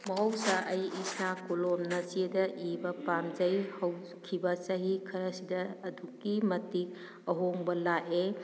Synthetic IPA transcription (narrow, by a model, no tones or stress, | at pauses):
mɐɦowsaʔɐjisakulomnɐt͡ʃiedɐʔibɐpamd͡ʒɐjhɐw | kʰibɐt͡ʃɐɦikʰɐɾɐsidɐːduk̚ːimɐtik̚ | ɐɦoŋbɐlaʔe